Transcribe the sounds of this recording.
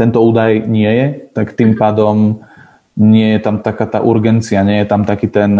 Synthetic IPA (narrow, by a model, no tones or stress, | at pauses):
t̪ɛnt̪ɔuːd̪ajɲɪɛjɛt̪akt̪iːmpaːd̪ɔm | ɲɪɛjɛt̪amt̪akaːt̪a̰ʔuɾɡɛnt͡siaɲɪɛjɛt̪amt̪akiːt̪ɛn